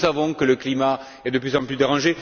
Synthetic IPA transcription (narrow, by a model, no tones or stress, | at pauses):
savɔ̃kələklima | ɛd̪əplyzɑ̃plyd̪eʁɑ̃ʒe